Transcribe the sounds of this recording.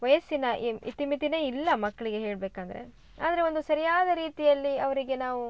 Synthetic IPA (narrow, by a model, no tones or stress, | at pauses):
ʋɐjɐsːinɐḭt̪imit̪ine̞ːilːɐmɐkːɐɭiɡe̞ɦeːɭbeːkaːnd̪ɐɾe̞̰ | a̰ːd̪ɐɾeo̞nd̪usɐɾijaːd̪ɐɾiːt̪ijɐlːiɐʋɐɾiɡe̞naːʋu